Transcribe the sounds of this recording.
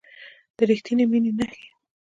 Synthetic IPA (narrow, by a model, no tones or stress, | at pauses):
d̪̥əɾixt̪ineminenaxe̥